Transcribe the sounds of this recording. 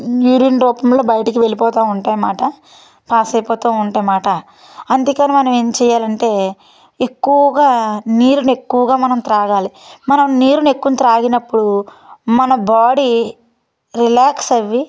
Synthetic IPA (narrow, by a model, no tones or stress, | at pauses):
juːɾiːnɾɔːpɐmlo̞ːbɐjɐʈɐkiʋe̞lipɔːt̪aːuɳʈaːjɐmaːʈɐ | paːsɐjpɔːt̪aːuɳʈaːjmaːʈɐ | ɐnd̪ikaːnemɐnɐmeːmt͡ʃɛːjːaːlɐɳʈe̞ː | ekːuʋɐɡaːniːɾune̞kːuʋɐɡaːmɐnɐmt̪ɾaːɡaːlimɐnɐmniːɾune̞kːuʋɐnt̪ɾaːɡinɐpːuɽu | mɐnɐbaːɽi | ɾilaːksɐʋːi